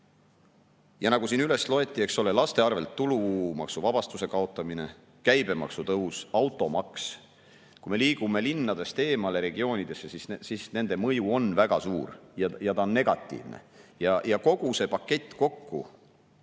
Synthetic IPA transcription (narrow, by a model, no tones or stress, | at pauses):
jɑnɑɡ̥usiːnyle̞slo̞e̞t̪ʲːˑie̞kso̞le̞lɑst̪e̞ɑrve̞lt̪ːulumɑ̰ksuvɑb̥ɑst̪use̞kɑo̞t̪ːˑɑmine̞̰ | kæjb̥e̞mɑ̰ksut̪ɤɦusɑwt̪ːˑo̞mɑks | kujme̞liːɡ̥ume̞linːɑd̪̥e̞st̪e̞ːmɑleɾe̞ɡ̥io̞ːnʲid̪̥e̞sːe̞sissisne̞nd̪̥emɤjuo̞nvæɡ̥ɑsuːrjɑjɑt̪ɑonːe̞ɡ̥ɑt̪ːˑḭːvnḛjɑjɑko̞ɡ̥use̞pɑkːe̞t̪ːˑko̞kːṵ